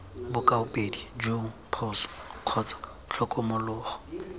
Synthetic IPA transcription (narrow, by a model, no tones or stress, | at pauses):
bʊkʼaʊpʼedid͡ʒopʰɔsɔ̥q͡χʰɔt͡sʼḁ | ɬʰɔkʼɔmʊlʊːχɔ̥